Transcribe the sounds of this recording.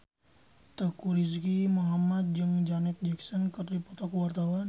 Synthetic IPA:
t̪əkuɾis̬ɡimoɦamat̪̚d͡ʒɨŋd͡ʒanɛt̪̚d͡ʒɛksɔnkərdipɔt̪ɔkwart̪awan

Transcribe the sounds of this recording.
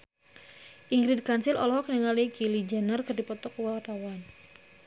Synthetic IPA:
ʔiŋɡɾid̚kansɪlɔ̰lɔɦɔkniŋalikilid͡ʒanərkɨrdipɔt̪ɔkwawt̪awan

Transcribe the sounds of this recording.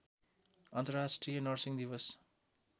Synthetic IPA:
ʌnt̪ʌɾasʈrijʌnʌrsiŋd̪iʋʌs

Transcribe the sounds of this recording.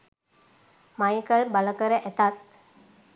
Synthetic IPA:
majkəɭbələkəɾəʔɛt̪at̪̚

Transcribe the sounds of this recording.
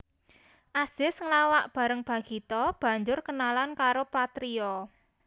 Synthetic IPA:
ʔasɪsŋlawaʔb̥ä̤ɾəŋb̥a̤ɡ̥i̤t̪ɔb̥ä̤ɲd͡ʒʊrkənalankaɾopat̪ɾiɔ

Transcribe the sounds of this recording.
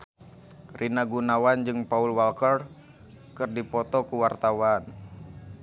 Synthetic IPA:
rʔinaɡunawand͡ʒɨŋpaulwalkər | kɨrdipɔt̪ɔkuwart̪awan

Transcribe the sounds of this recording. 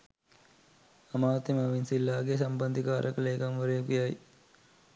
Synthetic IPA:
ɐmaːt̪imɐʋinsilːaːɡesɐmband̪ikaːɾʔəkəleːkamʋəɾejkijaj

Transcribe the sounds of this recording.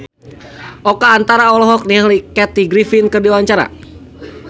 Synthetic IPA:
ʔɔkaːnt̪aɾaɔlɔɦɔk̚niahlikɛt̪iɡɾifinkɨrdiwaɲt͡ʃaɾa̰

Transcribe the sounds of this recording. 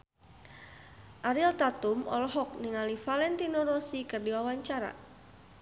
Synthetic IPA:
ʔaɾilt̪at̪uʊmɔ̰lɔɦɔk̚niŋalifalɛnt̪inoɾɔsikərdiwawaɲt͡ʃaɾa̰

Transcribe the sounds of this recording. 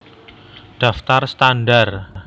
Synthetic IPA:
ɖ̥a̤ft̪arst̪anɖar

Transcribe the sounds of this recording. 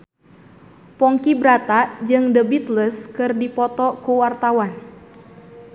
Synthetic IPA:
pɔŋkibɾat̪ad͡ʒɨŋdəbit̪ləskɨrdipɔt̪ɔkuwart̪awan

